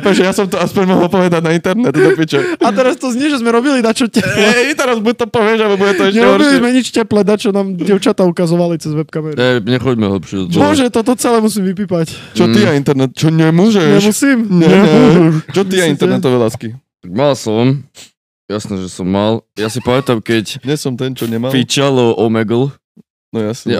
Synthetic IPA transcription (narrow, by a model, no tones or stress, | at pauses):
ʋɛʒɛjasɔmt̪ɔaspɔɲmɔɦɔlˠpɔʋɛd̪aɟnaint̪ɛɾnɛt̪d̪ɔpit͡ʃɛat̪ɛɾast̪ɔzɲiʒɛzmɛɾɔbilinat͡ʃɔcɛpɛint̪ɛɾnɛd̪buɟɛt̪ɔpɔʋɛʒabɛbuɟɛt̪ɔɛʃɲɛɛɦɔɔɾbiʃlizmɛɲit͡ʃcɛplɛd̪at͡ʃɔnaːmɟɛʊt͡ʃat̪aukazɔʋalit͡sɛzʋɛpkamɛɾɛɲɛxɔɟmɛɦl̩pʃɪɛd̪ɔt̪ɔʒɛt̪ɔt̪ɔt͡sɛlɛmusimʋipiːpact͡ʃɔiaint̪ɛɾnɛt̪t͡ʃɔɲɛmuʒɛɲɛʃmusiːmɲɛmʃt͡ʃɔt̪iaint̪ɛnɛt̪̬ɔʋɛːlaːskit̪aɡ̚malsɔm | jasnɛʒɛsɔmːaljasipamɛt̪amkɛcɲɛsɔmt̪ɛnt͡ʃɔɲɛmafit͡ʃalɔʔɔmɛɡl | nɔjasɲɛ